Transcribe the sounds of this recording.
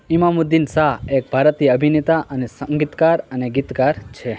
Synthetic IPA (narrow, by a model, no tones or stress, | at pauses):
imamud̪insaɦek̚bʱaɾət̪iːəbʱinet̪aʔənesəŋɡit̪kaɾəneɡit̪kaɾt͡ʃʰe